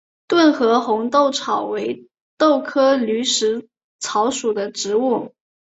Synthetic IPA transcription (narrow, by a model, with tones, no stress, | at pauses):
t̪wə˥˩nxɤ˧˥xʊ˧˥ŋt̪o˥˩ʊʈ͡ʂʰɑ˨˩ʊwe˧˥ɪ | t̪o˥˩ʊkʰɤ˥ly˧˥ʂɻ̩˧˥ | t͡sʰɑ˧˥ʊʂu˨˩d̪ə˦ʈ͡ʂɻ̩˧˥u˥˩